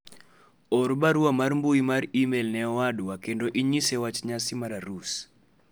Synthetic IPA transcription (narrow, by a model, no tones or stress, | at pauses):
oɾbaɾuamarmbuimaɾimelnɛɔwadwakendoʔiɲisewat͡ʃɲasimaɾaɾus